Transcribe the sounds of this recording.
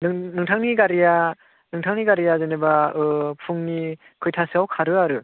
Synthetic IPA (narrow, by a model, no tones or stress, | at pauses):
nɯnɯŋtʰaŋniɡaɾija | nɯŋtʰaŋniɡaɾijazenebaɯpʰɯŋni | kʰɯjtʰasɯawkʰaɾɯaɾɯ